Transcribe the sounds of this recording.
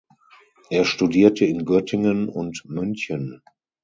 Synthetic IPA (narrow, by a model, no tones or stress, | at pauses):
ʔeːɐʃtudiːɐtəɪnɡœtʰɪŋənʊntmʏnçən